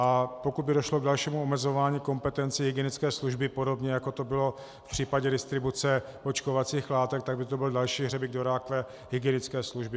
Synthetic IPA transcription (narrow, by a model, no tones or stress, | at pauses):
ʔapo̞kud̪̚bɪdoʃlo̞ɡdalʃiːmuomɛzo̞vaːɲiːko̞mpɛt̪ɛnt͡sɪɦɪɡjɛnɪt͡skɛːsluʒbɪpodo̞bɲɛjako̞t̪o̞bɪlo̞ | fpr̥iːpaɟɛdɪst̪ɾɪbut͡sɛ | pot͡ʃkovat͡siːxlaːt̪ɛk̚t̪aɡbɪt̪obɪldalʃiːɦrɛbɪɡ̚doɾaːkvɛ | ɦɪɡɪɛnɪt͡skɛːsluʒbɪ